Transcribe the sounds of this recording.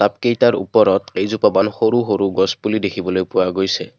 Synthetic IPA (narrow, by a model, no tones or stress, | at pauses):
ap̚kejtaɹṵpɔɹɔtejzupabanxoɾuxoɾuɡɔspulidekʰibɔlojpʊwaɡojsɛ